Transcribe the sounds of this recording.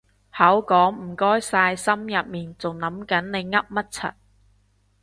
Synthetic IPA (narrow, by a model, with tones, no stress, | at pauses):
hɐ˨˥wkɔː˨˥ŋm̩˨˩kɔː˥jsaː˧jsɐ˥mjɐ˨t̚miː˨˩nt͡sʊ˨ŋnɐ˨˥mkɐ˨˥nne˨˧jŋɐ˥p̚mɐ˥t̚t͡sʰɐ̰˨t̚